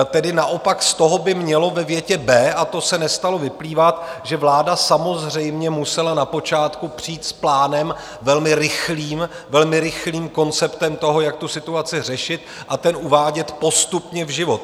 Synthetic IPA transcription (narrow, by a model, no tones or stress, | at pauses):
t̪ɛdɪnaʔo̞pakst̪o̞ɦo̞bɪmɲɛlo̞vɛvjɛcɛbɛːʔat̪o̞sɛnɛst̪alo̞vɪpliːvat̪ʒɛvlaːdasamo̞zr̝ɛjmɲɛmusɛlanapo̞t͡ʃaːt̪kupr̝̥iːt̪splaːnɛm | vɛlmɪɾɪxliːm | vɛlmɪɾɪxliːmko̞nt͡sɛpt̪ɛmt̪o̞ɦo̞jak̚t̪usɪt̪uat͡sɪr̝ɛʃɪt̪ | ʔat̪ɛnʔuvaːɟɛt̪po̞st̪upɲɛvʒɪvo̞t̪